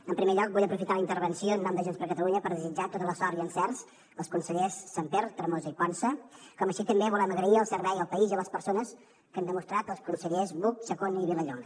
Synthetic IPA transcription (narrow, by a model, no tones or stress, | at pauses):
əmpɾimeʎɔk̚buʎəpɾufit̪aləint̪əɾβənsioənːɔmd̪əʒenspɾkət̪əluɲəpəɾðəzid͡ʒat̪ot̪ələsɔɾiənsɛrs | əlˠskunsəʎesːampeɾt̪ɾəmozəikɔnsəkɔməʃit̪əmbeβulɛməɣɾəiəlˠsəɾβɛjəlˠpəiziələspəɾsonəs | kənd̪əmust̪ɾat̪əlˠskunsəʎezβuksəkoniβiləʎoŋ